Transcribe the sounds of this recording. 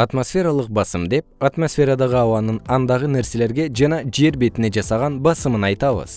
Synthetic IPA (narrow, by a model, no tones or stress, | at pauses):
ɑt̪mo̞sfʲe̞ɾɑlˠəq̚bɑsəmd̪e̞p̚at̪mo̞sfʲe̞ɾad̪ɑʁəɑwɑnənɑnd̪ɑʁənæɾse̞le̞ɾɡʲe̞ʒɑnɑʒe̞ɾbe̞t̪ɪne̞ʒɑsɑʁɑnbɑsəmənɑjt̪ɑβə̰z